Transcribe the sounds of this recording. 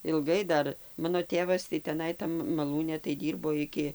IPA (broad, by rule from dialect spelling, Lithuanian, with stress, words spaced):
ɪlˠˈɡɐɪ ˈdɐr ˈmɑːnoː ˈtʲeːʋɐs tɐɪ tʲɛˈnɐɪ ˈtɐm mɐˈlˠuːnʲɛ tɐɪ ˈdʲiːrboː ˈɪkʲɪ